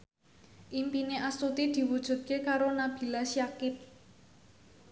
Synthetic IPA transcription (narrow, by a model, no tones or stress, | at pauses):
ʔimpineʔast̪ut̪id̪̥i̤wud̥ʒ̥ṳt̪̚kekaɾonab̥i̤lasjakɪp̚